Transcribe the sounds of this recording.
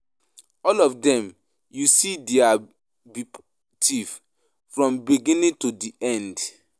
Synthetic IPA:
ɔlɔfdɛ̃m | jusidia | bip | tʰiv | fɹɔ̃mbiɡĩnĩŋtudiʔɛ̃nd

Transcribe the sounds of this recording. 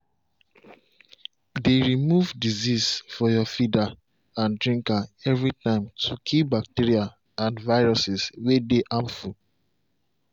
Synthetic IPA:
deɹimuvdizisfɔjɔfida | ãndɹĩŋkaɛvɹitãɪ̃mtʰukʰibak̚tiɹia | ãnvaɪɹɔsiswedeʔãmfu

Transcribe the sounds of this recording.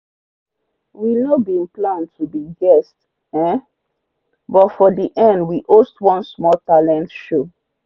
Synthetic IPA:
winɔbĩnplãntʰubiɡɛst | ɛ̃ | bɔtfɔdiʔɛ̃ndwiʔostwɔ̃nsmɔltalɛ̃ntʃo

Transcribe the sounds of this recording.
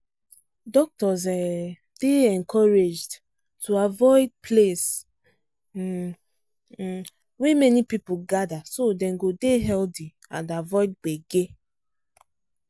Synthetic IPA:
dɔk̚tɔs̬ɛ | b̥eɛ̃nkʰɔɹed͡ʒd | tʰuavɔɪd̚pʰles | wemɛnipipuɡadasodɛ̃nɡodeɦɛlti | ã̰ndavɔɪd̚ɡ͡beɡe

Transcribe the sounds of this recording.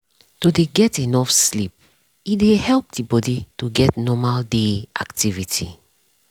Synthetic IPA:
todeɡɛtenɔfslip̚ | idehɛlp̚dibɔditoɡɛtnɔmaldeʔa̰ktivitʰi

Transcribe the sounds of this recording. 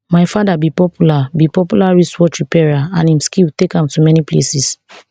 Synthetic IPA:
majfadabipɔpʰjulabipɔpulaɹiswɔtɹipɛɹaãnĩmskiltekãmtumɛniplesis

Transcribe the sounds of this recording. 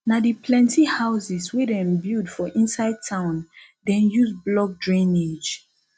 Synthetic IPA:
nadipʰlɛ̃ntihaʊsiswedɛ̃mbidfɔʔĩnsaɪd̚tʰãʊ̃n | dɛ̃njusblɔk̚dɹẽned͡ʒ

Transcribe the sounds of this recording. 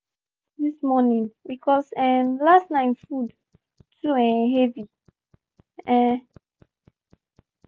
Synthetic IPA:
ðismɔnĩŋwikʰɔsɛmlastnãɪ̃mfud | tʰuɛ̃ɦɛvi | ɛ̃

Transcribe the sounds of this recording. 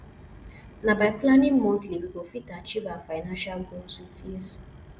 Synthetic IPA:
nabaɪplanĩŋmõntiebiɡofitat͡ʃivafanãnʃalɡolsutʰiz

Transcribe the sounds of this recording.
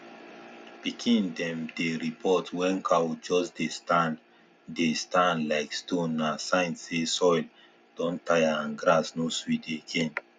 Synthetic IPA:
b̥ikʰĩndɛ̃mdeɾipʰɔtwɛ̃nkʰawod͡ʒɔsdetan | destãnlaɪkstõnːasãɪ̃nsesɔjl | d̥ɔ̃ntʰajãnɡɾasnoswideːɡẽn

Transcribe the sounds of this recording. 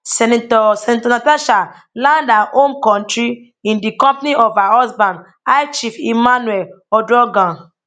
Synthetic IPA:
sɛnitɔsɛnitɔnataʃa | lãndaʔõmkɔ̃ntɹi | ĩndikɔ̃mpniʔɔvaɔsbãn | ajt͡ʃifimanuɛl | ɔdɹɔɡãn

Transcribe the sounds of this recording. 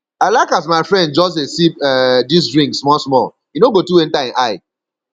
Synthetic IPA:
aɪlaɪkas̬maɪfɹɛ̃nd̚d͡ʒɔs̬esipɛdis̬ɹĩŋɡsmɔlsmɔl | jinoɡotuẽntaĩnʔaɪ

